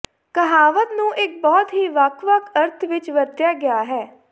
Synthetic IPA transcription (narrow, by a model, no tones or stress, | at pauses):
kəɦaːʋət̪nũːʔɪk̚bɔːt̪ɦiːʋəkʰʋəkʰəɾt̪ʰʋɪt͡ʃʋəɾt̪jaːɡɪjaːɦɛː